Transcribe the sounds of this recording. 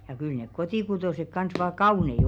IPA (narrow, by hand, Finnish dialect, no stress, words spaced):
jɑ kyl nek kotiˑkutoˑsek kɑns ʋɑː kɑuˑnei